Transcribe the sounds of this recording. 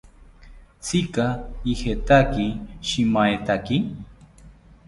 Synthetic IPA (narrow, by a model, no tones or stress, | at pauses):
t͡sikaixet̪akiʃimajt̪aki